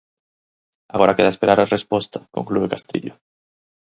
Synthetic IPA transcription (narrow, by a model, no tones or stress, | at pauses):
aɣoɾakeðaespeɾaɾarespost̪ḁkoŋkluekast̪ḭʎʊ